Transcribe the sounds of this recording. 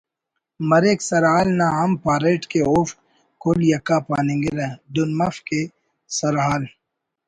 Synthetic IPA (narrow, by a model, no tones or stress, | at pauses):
mɐɾeːksɐɾɦaːlnaɦɐmpaːɾeːʈkeof | koljɐkapaːnẽːŋɡeɾɐd̪ʊnmɐfke | sɐɾɦaːl